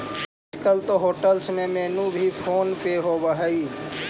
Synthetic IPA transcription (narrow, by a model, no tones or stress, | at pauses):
kəlt̪oɦoːʈəlsmẽmeːnũbʱipʰoːnpeɦobəɦaiː